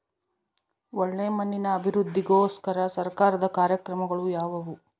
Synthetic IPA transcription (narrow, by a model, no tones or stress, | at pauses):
ɔɭːeːmɐnːinɐːbʱiɾud̪ʱːiɡoːskɐɾɐsɐɾkaːɾɐd̪ɐkaːɾjɐkɾɐmɐɡɐɭujaːʋɐʋu